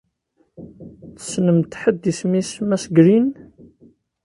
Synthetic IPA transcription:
θə̥snəmt̪ħəd̪ismismæsɡɾin

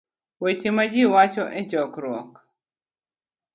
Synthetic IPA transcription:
wet͡ʃemad͡ʒiwat͡ʃɔʔɛd͡ʒɔkɾɔ̰k

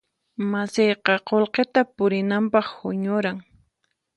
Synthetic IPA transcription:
masejqɑqolqet̪apʊɾɪnampɑχhʊɲʊɾaŋ

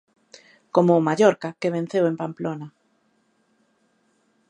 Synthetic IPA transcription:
komoːmaʎoɾkakeβ̞ẽn̟θewempamplona

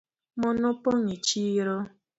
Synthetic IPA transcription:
mɔnʊpɔŋɪt͡ʃiɾo

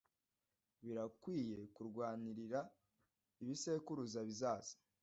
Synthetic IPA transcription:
βiɾakwiːje̞kuɾɡwaːniɾiɾa | iβisekuɾuzaβizaːz̥i̥

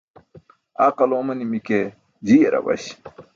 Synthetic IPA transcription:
aqɐloːmɐnimike | d͡ʑijeɾɐ̰wɐ̰ɕ

